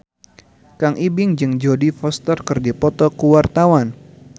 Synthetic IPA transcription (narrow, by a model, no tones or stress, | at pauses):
kaŋʔibɪŋd͡ʒɨŋd͡ʒodifɔst̪ərkɨrdipɔt̪ɔkuwart̪awan